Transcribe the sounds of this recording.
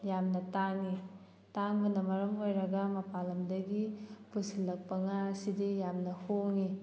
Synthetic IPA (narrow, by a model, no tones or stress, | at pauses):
jamnɐtaŋi | taŋbɐnɐmɐɾɐmojɾɐɡɐmɐpalɐmdɐɡipusilːɐk̚pɐŋasidijamnɐhoŋi